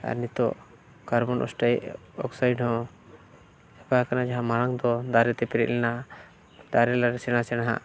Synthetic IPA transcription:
a̰ɾnit̪ɔ̰ | kaɾbɔnʔɔ̰sʈajʔ | ɔ̰ksajɖhɔ̃ | ɛpakanad͡ʒaɦãmaɾaŋd̪ɔd̪aɾɛt̪ɛpɛɾɛ̰ʔ̪lɛna | d̪aɾɛlaɾɛsɛɽ̃asɛɽ̃aɦa̰ʔ

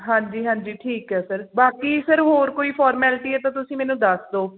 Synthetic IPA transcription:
ɦãːɲd͡ʒiːɦãːɲd͡ʒiːʈʰiːkɦɛːsəɾbaːkiːsəɾɦoːɾkoːiːpʰɔːɾmɛːlʈiːɛːt̪ãːt̪ʊsĩːmɛːnũːd̪əsd̪oː

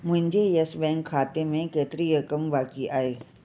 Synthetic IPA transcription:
mʊ̃nd͡ʒʱejɛsbɛ̃ːŋkʰːaːt̪emẽkeːt̪ɾijəkəmbaːkiʔaːeː

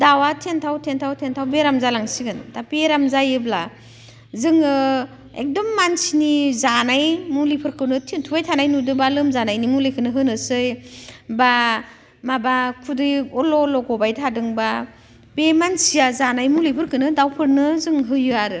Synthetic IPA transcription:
dawatʰentʰawtʰentʰawtʰentʰawbeɾamzalaŋsiɡɯntapeɾamzajɯbla | zɯŋɯ | ḛk̚dɔmːansinizanajmulipʰɯɾkʰɯnɯtʰintʰubajtʰanajnudɯbalɯmzanajnimulejkʰɯnɯɦɯnɯsɯjba | mabakʰudɯjɔlɔlɔɡɔbajtʰadɯŋba | bemansijazanajmulipʰɯɾkɯnɯdawpʰɯɾnɯzɯŋɦɯjɯaɾɯ

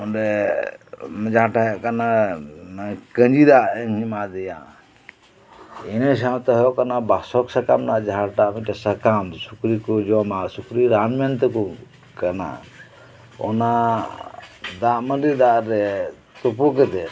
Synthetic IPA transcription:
ɔnɾɛ | md͡ʒaʈakanamkənd͡ʒid̪aɛŋɦimad̪ɛja̰ | ines̬amt̪ɔɦɔkanabasɔksəkamnad͡ʒaʈamiʈɛsəkamsukɾikud͡ʒɔmasukɾiɾanmɛnt̪ɛku | kana̰ | ɔ̰na | d̪amədid̪aɾɛ | t̪upukɛt̪ɛ

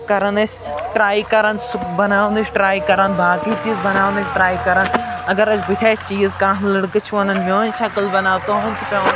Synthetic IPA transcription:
kɐɾənd̪ɐs | ʈɾaːikɐɾənsʊbɐnaːʋə̃nd̪ɐsʈɾaːikɐɾənbaːkiːt͡ʃiːzbɐnaːʋənd̪ɐsʈɾaːikɐɾən | ɐɡɐɾɐsʰbɪʈʰeːst͡ʃiːzkãːɦlɐɽkɨt͡ʃʰuɐnənmoːnʃɐkəlbɐnaːʋt̪oːɦɐ̃nt͡ʃʰpẽn

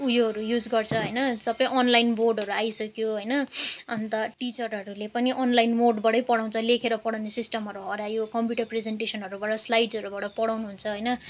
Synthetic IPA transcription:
ujoɦʌɾujud͡zɡʌrt͡sʰʌɦʌjnʌsʌpʌĩʔʌnlajnborɖɦʌɾuajsʌkjoɦʌjnʌʌnt̪ʌʈit͡sʌrɦʌɾulepʌniʔʌnlajnmoɖbʌɽʌjpʌɽaw̃nt͡sʰʌlekʰeɾʌpʌɽawnesisʈʌmɦʌɾuɦʌɾajokʌmpjuʈʌrpred͡zeɳʈesʌnɦʌɾubaʈʌslajɖsʌɾubaʈʌpʌɽawnuɦunt͡sʰʌɦʌjnʌ

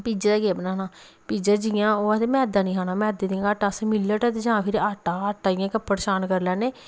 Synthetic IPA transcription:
piːd͡ʒaːd̪aːɡeːbnaːnaː | piːd͡ʒaːd͡ʒɪjãːoːət̪emɛːd̪ãːnĩːɦaːnãːmɛːd̪eːd̪iãaːʈaːsmɪlːəʈət̪ːd͡ʒãːpʰɪɾaːʈaːaːʈaːɪjãːkəpːəɽʃaːnkəɾlɛːneː

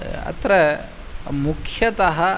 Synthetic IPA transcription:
ɐ̰t̪ɾɐ | mukʰjɐt̪ɐɦɐ

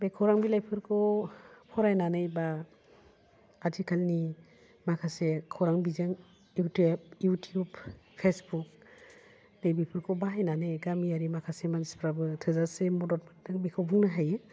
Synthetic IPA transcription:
bejkʰɔwɾaŋbilajpʰɯɾkʰɔwpʰɔɾajnanɯjba | d͡ʒikʰalni | makʰasekʰɔwɾaŋbizaŋ | jutep̚jutʰiubpʰesbuk̚ | nejbipʰɯɾkʰɔwbaɦajnanɯjɡamiaɾimakʰasemanispʰɾabɯtʰɯzasemɔdɔt̚badɯŋbikʰawbuŋnaɦajɯ

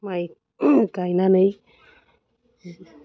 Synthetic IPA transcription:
maj | kajnanəj

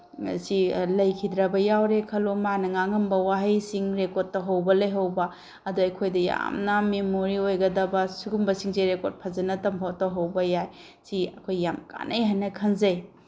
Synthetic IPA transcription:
ɐ̰silɐjkʰidɾɐbɐjawɾekʰɐlomanɐŋaŋɐmbɐwaɦɐjsiŋɾekotːɐɦɐwbɐlɐjɦɐwbɐ | ɐduɐjkʰojdɐja̰mnɐmemoɾiojɡɐdɐbɐsuɡumbɐsiŋzeɾekoɾt̚pʰɐzɐnɐtɐmpʰatːɐɦɐwbɐjaj | siɐkʰojːamka̰nʔɐjɦɐnːɐkʰɐnzɐj

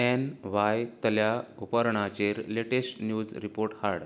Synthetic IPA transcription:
enʋajt̪əljaupəɾɳ̃at͡ɕeɾleʈesʈnjud͡zɾipoɾʈhaɽ

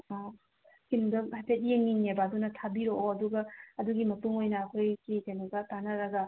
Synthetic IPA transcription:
kimdɐhapʰetijeŋiŋebaːdunɐtʰabiɾoʔoɐduɡɐɐduɡimɐtuŋojnɐːkʰojkikenuɡɐtanɐɾɐɡɐ

